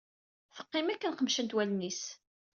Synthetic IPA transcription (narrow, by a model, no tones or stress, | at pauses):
θə̥qːɪmækːənχəmʃənt̪wælnis